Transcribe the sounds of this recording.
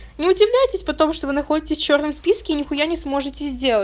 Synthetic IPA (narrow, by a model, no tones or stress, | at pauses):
nʲɪʊdʲɪvlʲæjɪtʲɪsʲpɐt̪o̞mʂt̪ovɨnɐxo̞dʲɪtʲɪsʲft͡ɕo̞rnəmspʲiskʲɪːnʲɪxʊjanʲɪsmo̞ʐɨtʲɪzʲdʲe̞lˠə